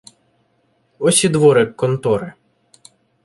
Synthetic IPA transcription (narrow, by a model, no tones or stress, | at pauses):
ɔsʲid̪ʋɔɾɪkːɔnt̪ɔɾɪ